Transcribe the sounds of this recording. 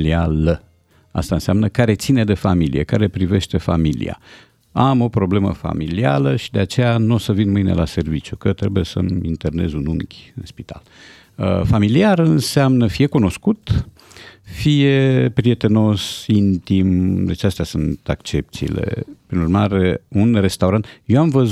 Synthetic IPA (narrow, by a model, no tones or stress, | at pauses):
lialə | a̰st̪aɨnseamnəkaɾe̞t̪sine̞d̪e̞familḭekaɾe̞pɾive̞ʃt̪e̞familḭa̰ | amo̞pɾo̞ble̞mə̰fa̰milia̰ləʃid̪e̞at͡ʃe̞januo̞səvinmɨjne̞̰lʔase̞rvit͡ʃjukət̪ɾe̞buje̞sə̰mint̪e̞rne̞̰zunuŋkʲɨnspit̪a̰l | əfamiliarɨnseamnəfije̞kuno̞skut̪ | fije̞pɾie̞t̪e̞no̞sint̪imd̪e̞t͡ʃast̪easunt̪akt͡ʃe̞p̚t̪sḭːle̞̰pɾinurmaɾeunre̞st̪auɾant̪jewamvəz